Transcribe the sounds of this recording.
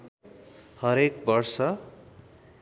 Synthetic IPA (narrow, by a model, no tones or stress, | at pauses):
hʌɾek̚bʌrsʌ